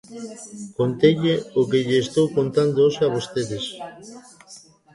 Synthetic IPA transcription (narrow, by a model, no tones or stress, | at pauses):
kont̪eʎeokeʎɪːst̪owkont̪and̪oosaβost̪eðes